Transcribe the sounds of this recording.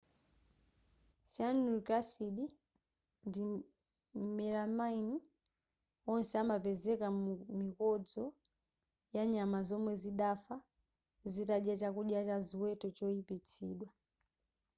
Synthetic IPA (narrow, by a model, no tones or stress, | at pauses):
sanuikasiɗi | ndi | mɛɾamaini | ɔnsɛamapɛzɛkamikɔd͡zɔ | jaɲamazɔmwɛziɗafa | zitaɗjat͡ʃakuɗjat͡ʃaziwɛtɔt͡ʃɔipit͡sʰḭːɗwa